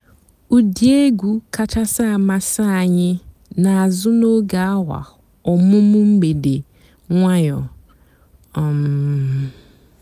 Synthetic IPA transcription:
u˨di˨˦e˦ɡʷu˨ka˨ta˦sa˦a˨ma˨sa˦a˨ɲɪ˦ | na˨a˨zʊ˦no˦ɡa˨a˦wʷa̰˨ | ɔ˨mʊ˦mʊ˦m̩˦ɡ͡be˨de˨ | ŋʷa˦jɔ˨ | ɔ˨m˨

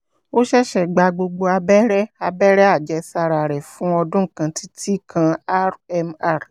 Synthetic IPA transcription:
o˦ʃɛ˦ʃɛ˨ɡ͡ba˧ɡ͡bo˧ɡ͡bo˧a˧bɛ˦ɾɛ˦a˧bɛ˦ɾɛ˦a˦˨d͡ʒɛ˧˦sa˧ɾa˨ɾɛ˨fũ˨˦ɔ˧dũ˦ŋ̩˨kã˧tʰi˦tʰi˦kʰã˧a˦ɾɛ˧ma˦˨ɾ

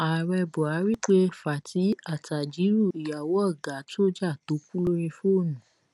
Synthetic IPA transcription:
a˨ɾɛ˧bɔ˨a˨˦ɾi˦k͡pe˦fa˨ti˨˦a˨ta˨d͡ʒi˨˦ɾu˦˨i˨ja˨wɔ˨˦ɔ˦˨ɡa˨˦to˦d͡ʒa˦˨to˨˦kũ˦lo˦ɾ̃ĩ˧fo˦˨nũ˨˦

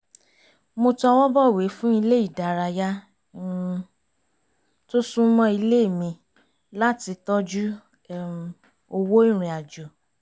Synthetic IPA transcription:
mo˧tɔ˧wɔ˦bɔ˦˨we˨˦fũ˦i˧le˦i˦˨da˨ɾa˧ja˦ | to˦sũ˦mɔ̃˦i˧le˦˨mĩ˧ | la˦ti˧tɔ˦d͡ʒu˦ | o˧wo˦i˦˨ɾ̃ĩ˧a˨d͡ʒo˨

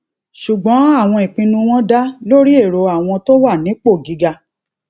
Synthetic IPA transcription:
ʃu˨ɡ͡bɔ̃˨˦a˦˨w̃ɔ̃˧i˨k͡pĩ˧nũ˧w̃ɔ̃˦da˦lo˦ɾi˦e˦˨ɾo˨a˨w̃ɔ̃˧to˦wa˦˨nĩ˨˦k͡po˦˨ɡi˨˦ɡa˧

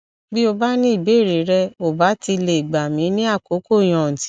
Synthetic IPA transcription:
bi˦o˧ba˦nĩ˦i˦˨be˨˦˨ɾe˨˦ɾɛ˦o˨ba˨˦ti˧le˧˨i˨ɡ͡ba˨mĩ˨˦nĩ˦a˦˨ko˨˦ko˦˨j̃ɔ̃˨n̩˨ti̥˨˦

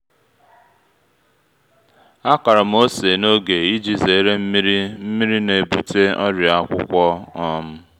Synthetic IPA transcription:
a˦ka˨ɾa˨m̩˦o˦se˨no˦ɡe˨i˦d͡ʒi˨ze˨˦ɾe˦m̩˦mi˦ɾi˦m̩˦mi˦ɾi˦ne˨bu˨te˦ɔ˦ɾi˨a˦kʷʊ̰˦kʷɔ˦nɔ˦m̩˦

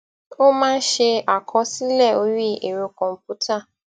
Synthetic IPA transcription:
o˦mã˦ʃe˦a˨kʰɔ˦si˦le˦˨o˦ɾi˦˨ʔe˨ɾo˨kɔ˨m̩˨pu˦tʰa˦˨

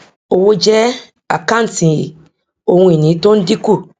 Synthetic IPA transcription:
o˨wo˦d͡ʒɛ˦ | a̰˨kã˦n̩˨tĩ˨ | o˨wũ˨˦ĩ˨nĩ˨˦tõ˦n̩˦di˦ku˦˨

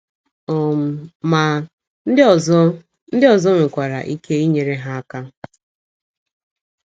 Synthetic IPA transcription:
ɔ˨m̩˨ma˨ | n̩˦˨˦ | n̩˦dɪ˦ɔ˨zɔ˦ŋʷe˨kʷa˨ɾa̰˨ʔi˦ke˦i˦ɲe˨ɾe˦ɦa˦a˦ka˦

